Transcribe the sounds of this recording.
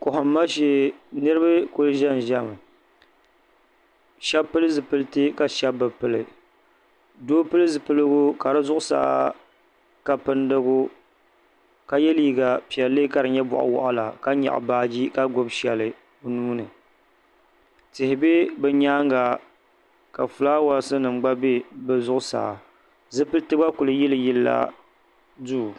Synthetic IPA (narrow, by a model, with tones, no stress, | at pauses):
kʊ˨hʊ˨m̩ː˦a˦ʃe˨nɨ˦ɾɨ˦bɨ˦kʊ˦lɨ˦ʒɛ˦n˨ʒa˦˨m˨ | ʃɛ˦bpːɨ˦lɨ˦zɨ˨pɨ˦lɨ˦tɨ˦ka˨ʃɛ˦bːɨ˨pɨ˨lɨ̰˨ | doː˦pɨ˦lɨ˦zɨ˨pɨ˦lɨ˦ɡʊ˦ka˨ɾɨ˦zʊ˦ʔʊ˦sa̰ː˦˨ | ka˨pɨ˦ndɨ˦ɡʊ˦ | ka˨jɛ˦liː˦ɡa˨pi˨ɛ˨lːɨ˦ka˨ɾɨ˨ɲɛ˦bʊ̰˨ʔʊ̰˨wɔ̰˨ʔʊ˨la̰˨ka˦ɲa̰˨ʔbaː˦d͡ʒi˦ka˦ɡo˦bʃɛ˨lɨ˨˦ | nuː˦nɨ˨ | tɪ˨hɪ˨be˦bɛ˦ɲaː˦ŋɡa˨ | ka˨fu˨laː˦wa˨lsɨ˦nɨ˨mɡ͡ba˦be˦bɛ˦zʊ˦ʔʊ˦sa̰ː˨ | zɨ˦pɨ˦ltɨ˦ɡa˦kʊ˨lɨ˨jɪ˦lɨ˨jɪ˦lːa̰˦ | du˦˨